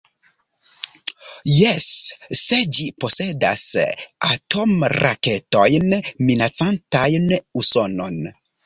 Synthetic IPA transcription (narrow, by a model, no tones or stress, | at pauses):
jɛsːed͡ʒiposeda̰satomra̰ketojnminat͡santajnusonon